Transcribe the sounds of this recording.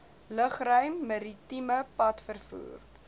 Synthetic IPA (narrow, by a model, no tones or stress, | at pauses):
ləχrœɥmːɐɾitiməpɐtfərfṵːr